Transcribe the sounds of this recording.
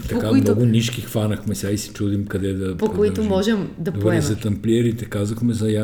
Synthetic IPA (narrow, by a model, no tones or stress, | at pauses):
t̪ɐpkamnɡʊniʃkixfanɐxmɛsʲjaisɛ̥t͡ʃud̪imkɐd̪ɛd̪ɐpokoit̪ʊmɔʒɛmd̪ɐp̪ɛɾɛzɐt̪ɐmplʲɛɾit̪ɛkazɐxmɛzɐja